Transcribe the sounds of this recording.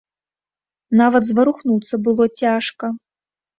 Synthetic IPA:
navɐd̪zvɐɾuxnut̪sɐbɨlˠɔt͡sʲaʂkɐ

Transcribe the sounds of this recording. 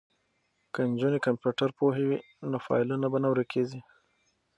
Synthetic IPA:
kənd͡ʒunekampjuʈaɾpoɦewi | nofɑ̰jlunabanawɾəkʰezi

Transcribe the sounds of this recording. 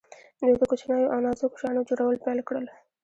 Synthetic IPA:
d̪ed̪əkot͡ʃnɑjoʔɑnɑzokʊ̥ʃɑnod͡ʒoɽawəlpelkɽəl

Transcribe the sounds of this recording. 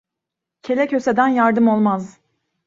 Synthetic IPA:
cʰe̞lʲɛcʰø̞se̞d̪ænjaɾd̪ɯmo̞lˠmaz

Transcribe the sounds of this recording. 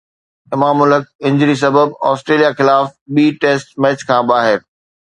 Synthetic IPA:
ɪmaːmʊləkɪ̃ɲd͡ʑɾis̬ɐbəbɔːsʈɾeːlijaxɪlaːfɓiːʈeːsʈmɛːt͡ɕkʰãːbaːɦɪɾ

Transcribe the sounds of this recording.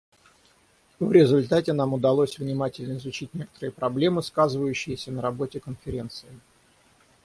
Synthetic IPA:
vɾʲɪzʊlʲt̪atʲɪnamʊd̪ɐlˠosʲvnʲɪmatʲɪlʲnəɪzʊt͡ɕitʲnʲe̞kə̥t̪əɾɨjəpɾɐblʲe̞mɨskazɨvəjʉɕːɪjəsʲənəɾɐbo̞tʲɪkənfʲɪɾʲe̞nt̪sɨɪ

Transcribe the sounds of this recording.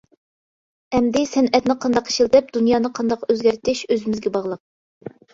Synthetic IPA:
ɛmd̪ɪsɛnɛt̪nɪqʰɑnd̪ɑqi̥ʃilˠd̪ɛp̚d̪unjɑːnɨqʰɑnd̪ɑqøzɡʲæɾt̪ʰɪʃøzɪmɪzɡʲɛbɑʁlˠəq̚

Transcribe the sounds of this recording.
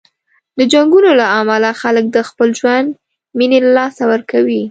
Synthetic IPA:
d̪əd͡ʒaŋɡunolaamalaxalək̚d̪əxpəlʒwand̪ | minelalɑsawəɾkawi

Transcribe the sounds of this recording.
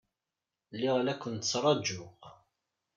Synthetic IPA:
lːɪʁlækʷːənt̪ət͡sːɾˤɑd͡ʒːʊʁ

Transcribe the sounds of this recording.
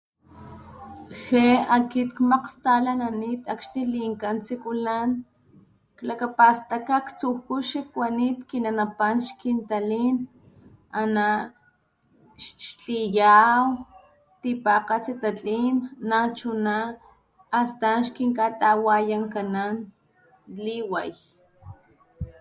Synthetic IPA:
xeakit̪kmaqst̪alananit̪akʃniliŋkant͡sikulan | klakapast̪akakt͡suhkuʃikwanit̪kinanapanʃkint̪alin | ana | ʃʃt͡ɬijaw | t̪ipaqat͡sit̪at͡ɬʼinːat͡ʃunaː | st̪anʃkiŋkat̪awajaŋkanan | liwaj

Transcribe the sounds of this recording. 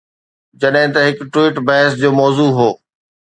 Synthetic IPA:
d͡ʑɐɗɦɪ̃t̪ɐɦɪkʈwiːʈbɐɦɪsd͡ʑoːmɔːzuːɦoː

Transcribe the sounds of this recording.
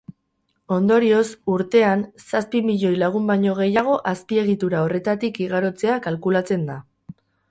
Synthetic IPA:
o̞nd̪o̞ɾio̞suɾt̪e̞ansaspimiʎo̞jlaɣ̞umbajɲo̞ɣ̞e̞jaɣ̞o̞ʔaspie̞ɣit̪uɾao̞re̞t̪at̪ikiɣ̞aɾo̞t͡se̞akalkulat͡se̞nd̪a

